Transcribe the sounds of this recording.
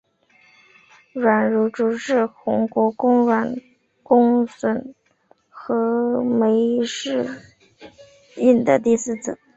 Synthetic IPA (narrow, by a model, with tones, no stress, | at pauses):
ɻwa˨˩nɻu˧˥ʈ͡ʂu˧˥ʈ͡ʂɻ̩˥˩xʊ˧˥ŋkwɔ˧˥kʊ˥ŋɻwa˨˩n | kʊ˥ŋswə˧˥n | xɤ˧˥me˧˥ɪʂɻ̩˥˧ | i˥˩nd̪ə˨t̪i˥˧sɹ̩˥˩t͡sɹ̩˨˩˦